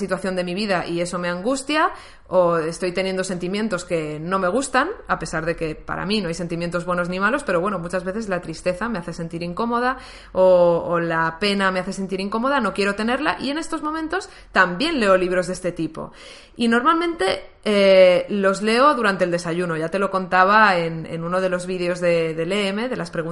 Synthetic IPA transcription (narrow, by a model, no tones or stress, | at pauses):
sit̪waθjo̞nd̪e̞miβ̞iðaʔie̞so̞me̞ãŋɡust̪ja | oest̪o̞jt̪e̞nje̞nd̪o̞se̞nt̪imjẽ̞nt̪o̞ske̞nõ̞me̞ɣ̞ust̪anape̞saɾðe̞ke̞pa̰ɾa̰mĩno̞ajse̞nt̪imje̞nt̪ozβwe̞no̞znĩmalo̞spe̞ɾo̞βwe̞no̞mut͡ʃazβe̞θe̞zlat̪ɾist̪e̞θame̞aθe̞se̞nt̪iɾiŋko̞mo̞ð̞a | oːlape̞nameaθe̞se̞nt̪iɾiŋko̞mo̞ð̞ano̞kje̞ɾot̪e̞ne̞ɾla̰ʔie̞ne̞st̪o̞zmo̞mẽnt̪o̞s | t̪ambje̞nle̞o̞liβ̞ɾo̞zðe̞st̪e̞t̪ipo̞̰ | ino̞ɾmalmẽnt̪e̞elo̞zle̞o̞ðuɾant̪eld̪e̞saʝuno̞ʝat̪e̞lo̞ko̞nt̪aβ̞aenḛnuno̞ð̞e̞lo̞zβiðeo̞zðe̞ðe̞leeme̞ðelaspɾe̞ɣu